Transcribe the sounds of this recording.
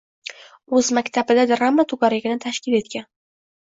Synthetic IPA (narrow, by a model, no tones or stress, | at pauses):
ɵzmakʲt̪ʰabɪd̪ad̪ɾamːat̪ʰʊɡaɾaɡʲɪnɪt̪ʰaʃkʲɪle̞t̪̚kʲan